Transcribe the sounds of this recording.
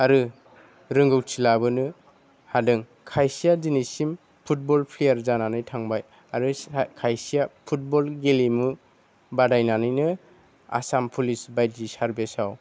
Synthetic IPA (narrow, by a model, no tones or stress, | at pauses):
aɾɯ | ɾɯŋɡɯwtʰilabɯnɯ | hadɯŋ | kʰajsijad͡ʒinisim | pʰut̚bɔlpʰlejaɾzananɯjtʰaŋbaj | aɾɯkʰajsijapʰut̚bɔlɡelimɯ | badajnanɯjnɯ | a̰sampʰulisbajt̚zisaɾbesaw